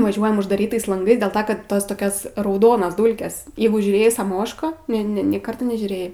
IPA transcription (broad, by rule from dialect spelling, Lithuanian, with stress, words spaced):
ʋɐˈʒʲuɔjɛm ʊʒdɐˈrʲiːtɐɪs lˠɐŋˈɡɐɪs dʲeːlˠ ˈtɐ kɐt ˈtoːs toːˈkʲoːs rɐʊˈdoːnɐs ˈduːlʲkʲɛs ˈjɛɪɡʊ ʒʲuːˈrʲeːjɛɪ sɐˈmoːʃkɑː ˈnʲɛ ˈnʲɛ nʲeː ˈkɐrtɐ nʲɛʒʲuːˈrʲeːjɛɪ